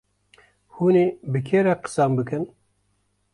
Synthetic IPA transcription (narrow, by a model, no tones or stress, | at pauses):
huːneːbɨkʰeːɾɛqə̥sambɨkɨn